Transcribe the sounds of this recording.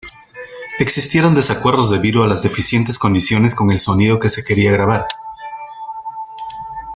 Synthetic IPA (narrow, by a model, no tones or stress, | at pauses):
e̞ksist̪je̞ɾo̞nd̪e̞sakwe̞ɾðo̞zðe̞βiðoalazðe̞fisje̞nt̪e̞sko̞nd̪isjo̞ne̞sko̞ŋe̞lso̞niðo̞ke̞se̞ke̞ɾiaɣ̞ɾaβ̞aɾ